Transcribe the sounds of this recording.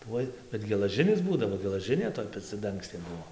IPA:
ˈtuɔj bʲɛt ɡʲɛlˠɐˈʒʲɪnʲɪs ˈbuːdɐʋoː ɡʲɛlˠɐˈʒʲɪnʲeː toːj pʲɛt͡sʲɛˈdɐŋksʲtʲeː ˈbuɔ

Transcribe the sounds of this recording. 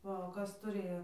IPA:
ˈʋɐ oː ˈkɐs tʊˈrʲeːjoː

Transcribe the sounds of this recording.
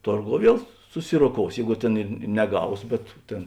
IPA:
ˈtoːrˌɡoːʊ ˈʋʲiɛlˠ sʊˈsʲɪroːˌkoːʊs ˈjɛɪɡʊ ˈtʲeːn ɪr n nʲɛˈɡɐʊs bʲɛt ˈtʲeːn

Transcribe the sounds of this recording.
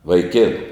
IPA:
ʋɐɪˈkʲeːnʊ

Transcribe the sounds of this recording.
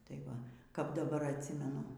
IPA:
tɐɪ ˈʋɐ kɐp dɐˈbɐr ɐtʲˈsʲɪmʲɛnʊ

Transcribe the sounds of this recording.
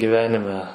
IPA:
ɡʲɪˈʋʲæːnʲɪmʲɛ

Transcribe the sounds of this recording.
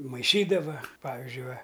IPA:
mɐɪˈʃʲiːdɐʋɐ ˈpɑːʋʲɪzʲd͡ʒʲʊɪ ˈʋɐ

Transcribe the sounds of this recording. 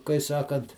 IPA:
kɐɪ ˈsɑːkɐnt

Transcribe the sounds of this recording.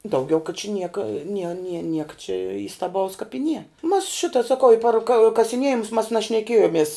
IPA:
dɐʊˈɡʲɛʊ kɐ t͡ʃʲɛ ˈnʲiɛkɐ nʲiɛ nʲiɛ ˈnʲiɛkɐ t͡ʃʲɛ iːstɐˈbɐʊs kɐp ɪ nʲiɛ mɐs ˈʃʲɪtɐ sɐˈkɐʊ ɪ pɐr kɐ kɐsʲɪˈnʲiɛjɪmʊs mɐs nɐʃʲnʲɛˈkʲeːjoːmʲiɛs

